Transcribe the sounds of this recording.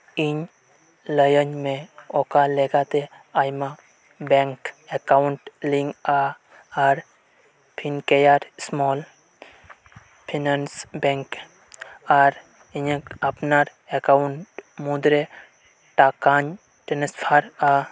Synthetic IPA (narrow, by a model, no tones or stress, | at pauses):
iɲ | ləjəɲmẽɔkaleɡat̪e | ajma | beŋkekauɳʈliŋɡa | aɾ | pʰinkejaɾsmɔːl | pʰinansbeŋk | aɾ | iɲɐpnaɾ | ekaʊɳʈmud̪ɾe | ʈakaɲ | ʈenəspʰaɾa